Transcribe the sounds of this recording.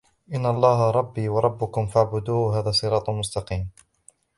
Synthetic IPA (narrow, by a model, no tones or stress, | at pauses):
ʔɪnːaʔɑlˤːɑːɦɾˤɑbːiːwɑɾˤɑbːʊkʊmfaʕbʊd̪uːɦaːðaːsˤɨɾˤɑːt̪ˤmʊst̪ɑqiːm